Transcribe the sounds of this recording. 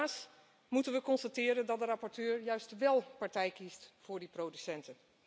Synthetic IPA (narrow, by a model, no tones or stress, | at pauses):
s | mutənʋəkɔnstatɪːɾəndɑt̚dərɑpɔɹtøːɹjœɥstʋɛlˠpɑɹtɛjkistfʊːɹdiprowdysɛntən